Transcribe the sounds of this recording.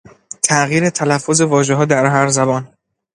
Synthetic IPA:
t̪ʰæʔɣiːɾet̪ʰælæfːoze̞vɒːʒeɦɒːd̪æɾɦæɾzæbɒːn

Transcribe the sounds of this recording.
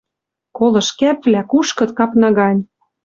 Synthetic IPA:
kolɤ̆ʃkæpvlækuʃkɤ̆t̪kɑpnɑɣɑnʲ

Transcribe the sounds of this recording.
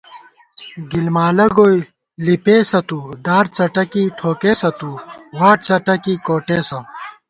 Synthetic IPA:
ɡilmaːlɐɡoːj | lipeːsɐt̪ud̪aːɾt͡sɐʈɐkiʈʰoːkeːsɐt̪uwaːʈ̚t͡sɐʈɐkikoːʈeːsɐm

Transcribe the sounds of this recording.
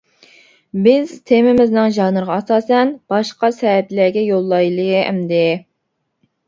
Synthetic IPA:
bɪz̥t̪ʰemɪmɪznɪŋʒɑnɨɾʁɑɑsɑːsɛnb̥ɑʃqɑsɛtlæɡʲɛjolˠːɑjlˠɨɛ̰md̪ɪ

